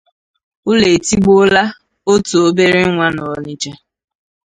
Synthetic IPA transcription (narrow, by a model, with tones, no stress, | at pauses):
ʊ˦le˨ti˦ɡ͡bo˦la˦ | o˦to˨o˦be˦ɾɪ˦ŋʷa˦nɔ˨ɔ˨ni˦t͡ʃe˦